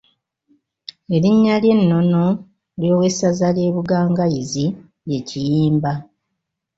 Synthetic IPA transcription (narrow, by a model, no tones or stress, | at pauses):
e̞ɾiɲːalje̞nːo̞no̞ | ljo̞ːwe̞sazalje̞ːβuɡaːŋɡajizi | je̞cijiːmba